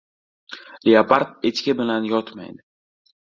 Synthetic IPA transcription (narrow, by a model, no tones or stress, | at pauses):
liapaɾt̪̚et͡ʃkʲɪbɪlanjɒt̪ma̰jd̪ɪ